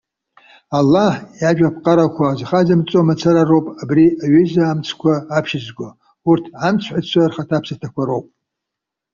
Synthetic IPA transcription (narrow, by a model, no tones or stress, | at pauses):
alːaħjaʒᶣap̚ʰqʼaɾakʷʰazχazamt͡sʼomat͡sʰaɾarowpʼabriaɥɪzaːmt͡sʰkʷʰaːpʰʃɪzɡʷa | urtʰamt͡sʷʰħʷat͡ɕʷʰarχatʰapʰsatʰakʷʰaɾowpʼ